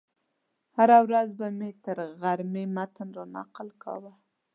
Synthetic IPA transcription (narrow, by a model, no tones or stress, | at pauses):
haɾawɾazbamet̪əɾɣaɾmemat̪ənɾɑna̰qəlkʰɑ̰wa